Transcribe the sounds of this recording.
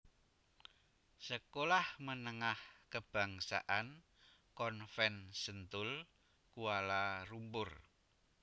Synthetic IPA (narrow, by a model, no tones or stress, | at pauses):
səkolahmənəŋahkəb̥a̤ŋsa̰ʔan | kɔnfɛnsənt̪ʊl | kualarumpʊr